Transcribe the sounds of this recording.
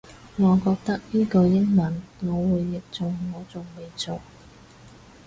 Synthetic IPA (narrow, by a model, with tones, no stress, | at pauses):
ŋɔː˨˧kɔː˧k̚t̪ɐ˥k̚niː˥ko˧jɪ˥ŋmɐ˨˩nŋɔː˨˧wuː˨˧jːɪ˨k̚t͡sʊ˨ŋːɔː˨˧t͡sʊ˨ŋme˨˧jt͡so˨w